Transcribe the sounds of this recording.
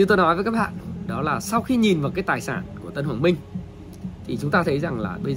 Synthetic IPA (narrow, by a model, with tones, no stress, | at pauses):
ɲɨ˧t̪o˧jnɔ˨˦jvə˨˦ka˦˥hɓa̰ː˧˨nɗɔ˨˦laː˨˩sa˧wxi˧ɲi˨˩nvaː˨˩wkaː˨˦jt̪aː˨˩jsaː˧˩nku˧˩ət̪ə˧nhwaː˧˩nmï˧ŋ̟ | t̪ʰi˨˩t͡ɕʊ˨˦ŋ͡mt̪aː˧t̪ʰə˨˦jza˨˩ŋla̰ː˨˩ɓə˧jz